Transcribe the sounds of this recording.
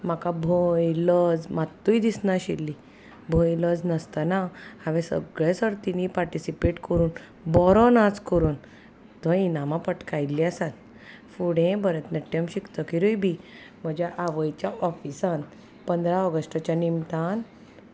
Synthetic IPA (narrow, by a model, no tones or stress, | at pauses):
m̤akabʱojləd͡zmat̪ːujd̪isnaɕilːi | bʱojləd͡znəst̪anaaʋẽsə̰ɡɭesəɾt̪inipaɾʈisipeʈkəɾuːn | bɔɾɔnat͡skəɾuːn | t̪ɔ̃inamãpəʈkajliasãn | fuɽẽbəɾet̪nɛʈːjəmɕikt̪əkiɾujbʱi | m̤əd͡ʑjaʔaʋəjt͡ɕjaʔɔfisan | pənd̪ɾãɔɡəsʈət͡ɕjanimt̪an